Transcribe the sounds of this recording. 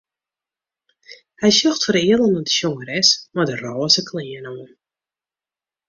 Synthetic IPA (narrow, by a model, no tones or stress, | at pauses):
hɛjʃjɔxtfəriəlˠənɔdəʃoŋəɾɛsmadərɔːsəkʰlɪːənoən